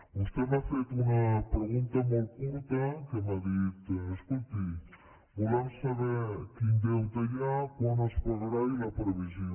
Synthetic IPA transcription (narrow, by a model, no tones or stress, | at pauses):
ust̪emafet̪unɐpɾeɣunt̪ɐmolkuɾt̪əkemaðit̪eskult̪i | bulemsaβɛɾkind̪ewt̪aʎakonaspoɣɾailɐpɾeβizjo